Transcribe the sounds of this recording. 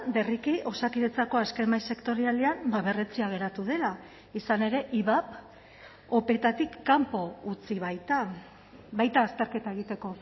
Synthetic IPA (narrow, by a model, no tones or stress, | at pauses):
be̞rikiʔo̞sakiðet͡sako̞askemajse̞kt̪o̞ɾiald̪eambaβe̞ret͡siaɣ̞e̞ɾat̪uðe̞la | isane̞ɾe̞ʔiβap | o̞pe̞t̪at̪ikːampo̞ut͡siβajt̪a | βajt̪aːst̪e̞ɾke̞t̪ae̞ɣit̪e̞ko̞